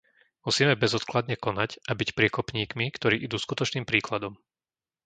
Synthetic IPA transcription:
musiːmɛbɛzɔt̪klad̪ɲɛkɔnacʔabicpɾɪɛkɔpɲiːkmikt̪ɔɾiːʔid̪uːskut̪ɔt͡ʃniːmpɾiːklad̪ɔm

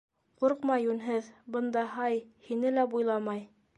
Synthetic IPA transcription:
quɾqmɑjʉnɦɘðbɤ̆nd̪ɑɦɑjhinɘlæbujlˠɑmɑj

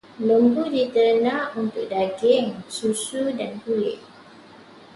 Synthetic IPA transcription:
ləmbudit̪əɾənãunt̪ʊk̚daɡɪŋsusudanpulɪ̰ʔ

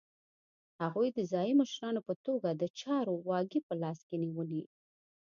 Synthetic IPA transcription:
haɣujd̪əzɑjiməʃɾɑnopət̪oɡad̪ət͡ʃɑɾowɑɡipəlɑskeniwəli

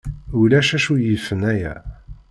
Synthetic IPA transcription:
ulæʃæʃujəfənæjæ̰

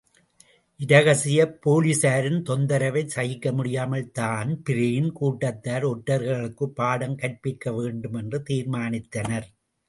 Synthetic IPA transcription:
ʔɪɾɐɣɐsɪjɐpːoːlisaːɾɪnt̪ɔnd̪ɐɾɐʋɐɪt͡ʃɐjɪkːɐmʊɽɪjaːmɐɭt̪aːnpɪɾɐjɪnkuːʈːɐt̪ːaːɾɔʈːɐɾɣɐɭɯkːɯpːaːɽɐmkɐʈ̚pɪkːɐʋeːɳɖɯmɛndrɯt̪iːɾmaːnɪt̪ːɐnɐɾ

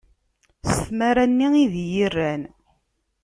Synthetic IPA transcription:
səθmæɾænːiiðjirːæn

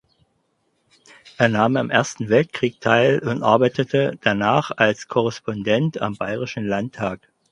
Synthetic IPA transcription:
ʔeːɐnaːmamʔeɐstn̩vɛlt̚kʁ̥iːk̚tʰaɪlʊntʔa̰ɐbaɪtətʰəd̥anaːχalskʰɔʁɛspɔndɛnta̰mbaɪʁɪʃn̩lantʰːaːk

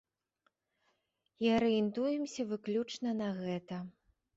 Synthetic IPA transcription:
iɐɾɛjɛnt̪ujɛmsʲɐvɨklʲut͡ʂnɐnɐɣɛt̪ɐ

